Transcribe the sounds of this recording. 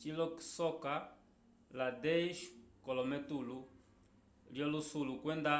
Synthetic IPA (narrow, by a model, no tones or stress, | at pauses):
t͡ʃilɔksɔka | ladɛʃkɔlɔmɛtulu | ljɔlusulukwɛnda